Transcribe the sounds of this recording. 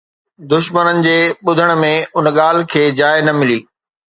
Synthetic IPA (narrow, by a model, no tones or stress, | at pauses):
d̪ʊʃmənənɪ̆d͡ʑeːɓʊd̪ʱəɽ̃̆mẽʊnɠaːl̤̆kʰeːd͡ʑaːɪnɐmɪliː